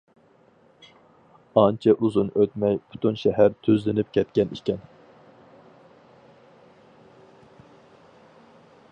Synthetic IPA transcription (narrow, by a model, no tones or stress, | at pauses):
ɑnt͡ʃʰɛʔuzunøt̪mɛjpʰu̥t̪ʰunʃɛɦæɾt̪ʰøzlɪnɪp̚kʲʰɛt̪̚kʲɛnikʲɛn